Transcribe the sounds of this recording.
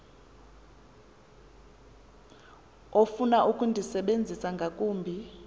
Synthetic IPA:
ofunaʔukʼundʱisɛɓend͡zʱisaŋɡʱakʼuːmbʱi

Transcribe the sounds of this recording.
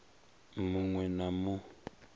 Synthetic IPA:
muŋwɛnamu

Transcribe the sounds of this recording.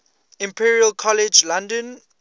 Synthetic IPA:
ĩmpʰiɹiəlkʰɔlɛd͡ʒlãndə̃n

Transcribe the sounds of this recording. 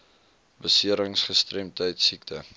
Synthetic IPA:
bəsiəɾəŋsχəstrɛmtəjtsiktʰə

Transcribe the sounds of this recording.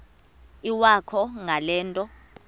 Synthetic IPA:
iwakʰɔŋalɛːntʼɔ

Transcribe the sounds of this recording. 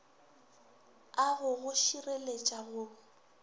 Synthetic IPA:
aɣʊɣʊʃirelet͡ʃʼaɣʊː

